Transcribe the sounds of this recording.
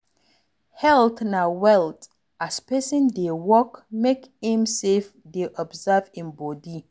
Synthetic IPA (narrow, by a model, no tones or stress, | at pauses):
hɛltnawɛlt | aspɛsə̃ndewɔkmekĩmsefdeʔɔbzavĩmbɔdi